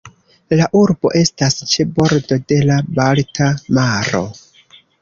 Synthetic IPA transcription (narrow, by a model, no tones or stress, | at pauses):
laʔuɾbo̞̰ʔe̞stast͡ʃe̞bo̞ɾdo̞de̞labaltʰamaɾo̞̰